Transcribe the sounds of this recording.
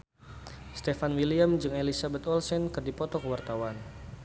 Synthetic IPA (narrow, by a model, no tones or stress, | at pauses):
st̪efanwiliamd͡ʒɨŋelisabɛt̪ɔlsɛnkɨrdipɔt̪ɔkwart̪awan